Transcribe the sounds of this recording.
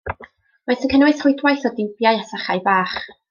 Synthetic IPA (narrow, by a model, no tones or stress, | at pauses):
majθənkʰənwɨθrʊjdwajθɔdɪwbjajɛsaχajvaːχ